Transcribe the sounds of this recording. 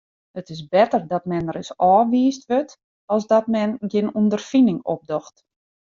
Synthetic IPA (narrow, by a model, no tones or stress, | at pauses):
ətɪsbɛtərdɔtmɛnərɪsɔːʋiːstʋøt | ɔlˠsdɔtmɛnɡɪnundərfinɪŋop̚dɔxt